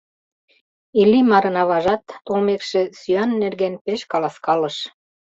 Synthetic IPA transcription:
ilːimɑɾənɑβɑʒɑt̪ːolmekʃĕsyɑnːerɣenpeʃkɑlɑskɑlɤʃ

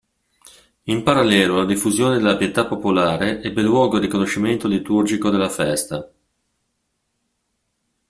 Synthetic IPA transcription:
impaɾalːɛːlolad̪ifːuzjoːned̪elapjet̪apːopolaːɾeʔɛbːelːwɔːɡod̪ikonoʃːiment̪olit̪urd͡ʒikod̪elːafɛst̪a

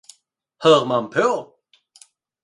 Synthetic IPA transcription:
hœʁmampʰø

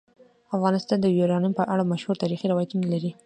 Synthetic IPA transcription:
afɣɑnɪst̪ɑnd̪əjuɾɑnimpəʔaɽamaʃhuɾt̪ɑɾixiɾawɑjat̪unalaɾi

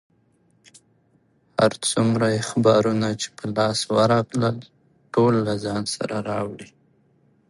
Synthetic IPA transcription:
ha̰ɾt͡sumɾajexabɑɾunat͡ʃe̥pəlɑswəɾɑkləl | ʈolːazɑnsa̰ɾaɾɑwɽi

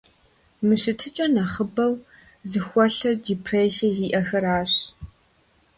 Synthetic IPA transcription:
mɨɕɪtʰɨt͡ʃʼɐnɐχəbɐw | zɨxʷɔɬɐrdiːpʰreːsɐziːʔɐxɐraːɕ

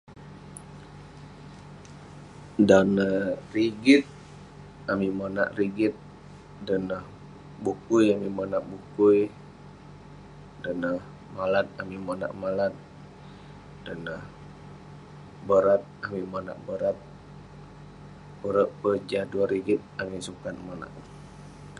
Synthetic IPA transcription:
danəriɡɪt̪̚ | amimana̰ʔriɡɪt̪̚ | dənəh | bukujamimanaʔbukuj | dənəh | malat̪̚amimona̰ʔmalat̪̚ | dənəh | bəɾat̪̚amimona̰ʔbəɾat̪̚ | bəɾəʔpəd͡ʒaduaɾiɡɪt̪̚amisukat̪̚mona̰ʔ

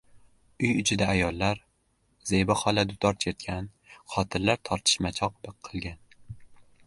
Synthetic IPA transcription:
ʊjʊt͡ʃʰɪd̪aːjɒlˠːaɾ | zejbaχɒlad̪ʊt̪ʰɒɾt̪ʰet̪̚kʲʰan | χɒt̪ʰɪɾlaɾt̪ʰɒɾt̪ʰɪ̥ʃmat͡ʃʰɒq̚bɨqʰːɨlˠɡʲan

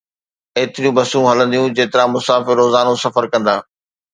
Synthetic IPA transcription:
eːt̪ɪɾijũbɐsũɦɐlə̃nd̪ijũd͡ʑeːt̪ɪɾãmʊsaːfɪɾːoːzaːnõsɐfəɾkɐ̃nd̪aː

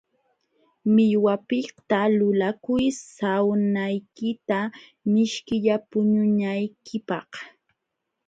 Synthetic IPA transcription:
mɪʎwapɪht̪alʊlakʊjsawnajkɪt̪amɪʃkɪʎapʊɲʊnajkʰɪpɑh

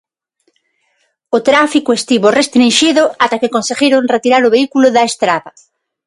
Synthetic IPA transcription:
ot̪ɾafikoest̪iβorest̪ɾĩnʃiðʊat̪akekonseɣiɾoŋret̪iɾaɾʊβeikulʊðaest̪ɾaβɐ

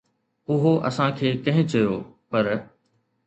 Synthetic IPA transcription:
ʊɦoʔɐ̰sãkʰeːkɐ̃ɦɪ̃t͡ɕɐjoːpɐɾ

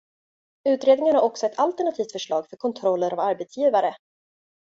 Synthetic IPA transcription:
ʉ̟ːt̪ɾeːd̪nɪŋənhaɾɔksɔɛt̪ʰalt̪ɛɳat̪ʰiːft̪fœʂɭɑːɡfœɾkʰɔnt̪ʰɾɔlːəɾʔavaɾbɛt̪sjiːvaɾə

